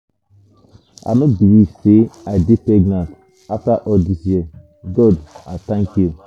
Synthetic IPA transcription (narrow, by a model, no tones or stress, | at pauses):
a̰nɔbilivseaɪdepɛɡnãnt | aftaʔɔldisjiɛ | ɡɔdatãŋkju